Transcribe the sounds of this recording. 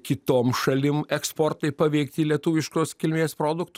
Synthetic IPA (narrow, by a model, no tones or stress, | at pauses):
kʲɪt̪oːmʃɐlʲɪmɛkspoːrt̪ɐɪpɐʋʲɛɪkt̪ʲiːlʲiɛt̪uːʋʲɪʃkoːskʲɪlʲmʲeːspɾoːd̪ʊkt̪ʊ